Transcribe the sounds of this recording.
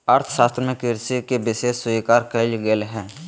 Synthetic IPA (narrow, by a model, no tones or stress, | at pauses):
əɾt̪ʰʃaːst̪ɾəmẽkɪɾsikebɪseːssʊikaːɾkəlɡelɦɛ̃ː